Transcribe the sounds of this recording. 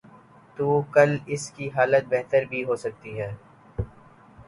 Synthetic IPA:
t̪uːkɐlɪskiɦaːlət̪̚bɛɦt̪əɾbʱiɦoːsɐk̚t̪iɦɛː

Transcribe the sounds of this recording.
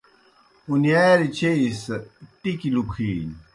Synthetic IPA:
unijaːɾit͡ɕʰeist̪ikilukʰiːn

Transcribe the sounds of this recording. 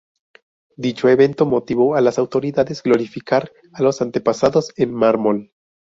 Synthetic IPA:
d̪it͡ʃo̞e̞βe̞nt̪o̞mo̞t̪iβ̞o̞alasawt̪o̞ɾiðaðezɡlo̞ɾifikaɾ | alo̞sant̪e̞pasaðo̞senmaɾmol

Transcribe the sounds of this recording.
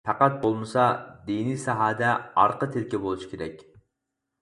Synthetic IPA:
pʰæqɑt̪̚bolˠmɨsɑd̪enisɑɦɑːd̪ɛɑɾqət̪ʰelkʲɛbolˠuʃi̥kʲʰeɾɛkʲ

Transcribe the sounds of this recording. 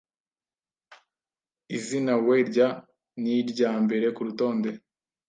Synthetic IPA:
izinaweɾɟa | niɾɟaːmbe̞ɾe̞kuɾuto̞ːnde̞

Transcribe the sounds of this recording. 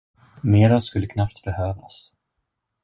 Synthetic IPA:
meːɾaskɵlːəkʰnapt̪bɛhøːva̰s

